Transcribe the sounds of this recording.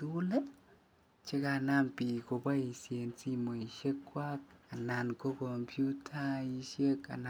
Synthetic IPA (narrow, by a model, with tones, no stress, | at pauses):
tu˦le˦ | t͡ʃe˦ka˧˨na˦mpi˨ko˨ba˦i˨sje˨nt͡si˦mo˨i˨ʃe˦kːwa˦k̚a˨na˨nko˦kɔ˨mpʰju˦tʰa˦i˧˦ʃe˦ka̰˨na˨